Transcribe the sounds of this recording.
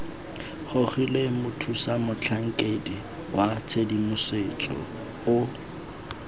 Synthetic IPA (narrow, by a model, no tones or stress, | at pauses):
χʊχilemʊtʰusamʊt͡ɬʰaŋ̩kʼedi | wat͡sʰedimʊset͡sʼɔ̰ | ʊ